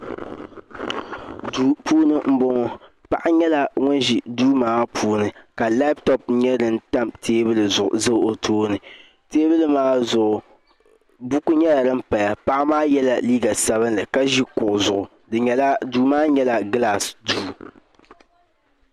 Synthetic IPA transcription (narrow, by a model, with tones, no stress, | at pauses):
duː˦puː˦nɨ˦m̩˦bʊ˦ŋɔ˦ | pa̰˨ʔa˦ɲɛ˦la˨ŋʊ˦nʒi˨duː˦maː˨˦pʰuː˦nɨ˨ka˨la˦ptɔ˦˨pɲɛ˦dɨ˨n˦ta˦mtʰeː˦bɨ˦lɨ˨zʊ˨ʔzɨ˦o˨tʰoː˦nɨ˨ | teː˦bɨ˦lɨ˦maː˦zʊ˨ʔʊ˨ | bu˦ku˦ɲɛ˦la˨dɨ˦m̩˦pa˨ja˨pa˦ʔa˦maː˦jɛ˦la˨liː˦ɡa˨sa˦βɨ˦nlɨ˨ka˦ʒi˦kʊ˨ʔʊ˨zʊ˨ʔʊ˨ | dɨ˨ɲɛ˦la˦duː˦maː˦ɲɛ˦la˨ɡla˨sduː˦